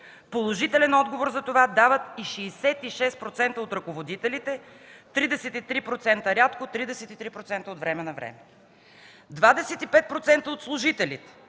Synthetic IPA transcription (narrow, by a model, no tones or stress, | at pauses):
polˠoʒit̪ɛlɛnɔd̪ɡovoɾzɐt̪ovad̪avət̪iʃɛːsɛt̪iʃɛst̪pɾot̪sɛnt̪əot̪ɾɐkovod̪it̪ɛlit̪ɛ | t̪ɾid̪ɛsɛt̪it̪ɾipɾot̪sɛnt̪əɾʲat̪kot̪ɾid̪ɛsɛt̪it̪ɾipɾot̪sɛnt̪əot̪vɾɛmɛnɐvɾɛ̰mɛ | d̪vad̪ɛsɛt̪ipɛt̪̚pɾot̪sɛnt̪əot̪slˠʊʒit̪ɛlit̪ɛ̥